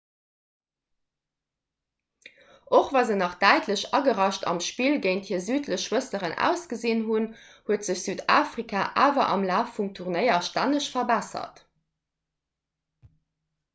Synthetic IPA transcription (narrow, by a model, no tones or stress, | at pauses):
ʔoχvaːzənɑχd̥æɪtʰləɕɑ̰ɡəʁɑʃtʰɑ̰mʃpiːlɡəɪnthiəzyːtʰləɕːwəsəʁənʔæ̰ʊsɡ̥əziːnɦun | huətz̥əɕz̥yːda̰ːfʁikʰaːʔa̰ːvɐ̰ʔɑ̰mlaːfːumtʰuʁnəɪɐʃtænəʃfɐbæsɐ̰t